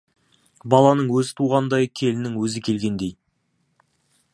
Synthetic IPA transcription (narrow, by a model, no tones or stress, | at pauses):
bɑlˠɑnəɴwɵzɪt̪ʰuʁɑnd̪ɑjkʲʰe̞lɪnɪŋwɵzɪkʲʰe̞lɡʲe̞nd̪e̞j